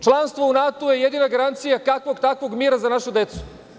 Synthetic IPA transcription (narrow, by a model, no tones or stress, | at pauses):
t͡ʃlˠanst̪ʋounat̪oje̞jed̪iːnaɡaɾant̪sijakakʋoɡt̪akʋo̞ɡmiːɾazanaʃud̪e̞t̪su̥